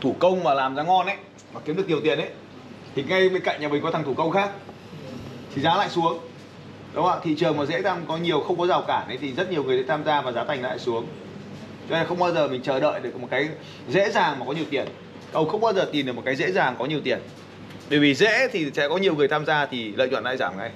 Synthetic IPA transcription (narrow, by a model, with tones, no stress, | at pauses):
t̪ʰu˧˩kə˧wŋ͡mmaː˨˩laː˨˩mzaː˨˦ŋɔ˧nʔə˨˦j | maː˨˩ki˨˦mɗɨ˨˩k̚i˨˩əwt̪ḭ˧˩ənʔə˨˦j | t̪ʰi˨˩ŋa˧jɓe˧nka̰˧˨ŋɲaː˨˩mi˨˩ŋkɔ˨˦t̪ʰa˨˩ŋt̪ʰu˧˩kə˧wŋ͡mxaː˦˥k̚ | t̪ʰi˨˩zaː˨˦la̰ː˧˨jsu˨˦əŋ | ɗə˨˦wa̰ː˧˨t̪ʰḭ˧˨t͡ɕɨ˨˩əŋmaː˨˩zḛ˧˥t̪ʰaː˧mkɔ˨˦ɲi˨˩əwxə˧wŋ͡mkɔ˨˦zaː˨˩wkaː˧˩nə˨˦jt̪ʰi˨˩zə˦˥t̚ɲi˨˩əwŋɨ˨˩sa̰˧˥t̪ʰaː˧mzaː˧vaː˨˩zaː˨˦t̪a˨˩ŋla̰ː˧˨jsu˨˦əŋ | t͡ɕɔ˧e˧˩xə˧wŋ͡mɓaː˧wzəː˨˩mï˨˩ŋ̟t͡ɕəː˧˩ɗə̰ː˧˨jɗɨ˨˩ək̚mo˨˩t̚kaː˨˦j | zḛ˧˥zaː˨˩ŋmaː˨kɔ˨˦ɲi˨˩əwt̪i˧˩ən | kə˧wxə˧wŋ͡mɓaː˧wzəː˨˩t̪i˨˩nɗɨ˨˩km̚˨˩kːaː˨˦jzḛ˧˥zaː˨˩ŋkɔ˨˦ɲi˨˩əwt̪i˨˩ən | ɓəː˧˩jvi˨˩zḛ˧˥t̪ʰi˨˩sɛ̰˧˥kɔ˨˦ɲi˨˩əwŋɨ˨˩əjt̪ʰaː˧mzaː˧t̪ʰi˨˩lə̰ː˧˨jt͡ɕw̰a̰˧˨nla̰ː˧˨zaː˧˩mŋa˧j